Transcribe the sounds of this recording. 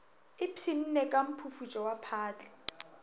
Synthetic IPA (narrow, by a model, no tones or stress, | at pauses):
ɪpʰin̩nɛkʼam̩pʰufut͡ʃʼɔwapʰaːt͡ɬʼɛ̥